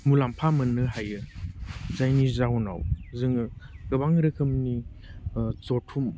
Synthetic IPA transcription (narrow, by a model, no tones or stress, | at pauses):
mulampʰamɯnɯɦajɯ | zajnizawna̰wzɯŋɯkɯbaŋɾɯkʰɯmni | zotʰum